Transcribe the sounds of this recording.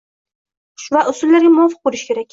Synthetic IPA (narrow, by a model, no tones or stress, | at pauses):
ʃvaʔʊsʊlːaɾɡʲamʊɒfɨ̥q̚bolˠɪʃkʲʰe̞ɾak̚ʲ